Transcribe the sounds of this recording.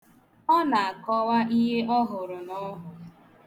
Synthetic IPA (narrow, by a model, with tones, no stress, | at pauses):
ɔ˦na˨a˨kɔ˦wa˦ʔi˦ɦe˦ʔɔ˦ɦʊ˨ɾʊ˨nɔ˦ɦʊ˨